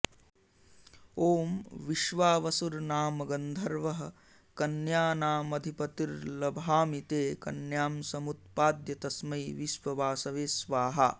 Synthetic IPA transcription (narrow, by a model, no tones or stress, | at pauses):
oːmʋiʃʋaːʋɐsuɾnaːmɐɡɐnd̪ʱɐɾʋɐɦɐ̆ | kɐnjaːnaːmɐd̪ʱipɐt̪iɾlɐbʱaːmit̪eːkɐ̰njaːmsɐmut̪̚paːd̪jɐt̪ɐsmɐjʋiʃʋɐʋaːsɐʋeːsʋaːɦɐ̰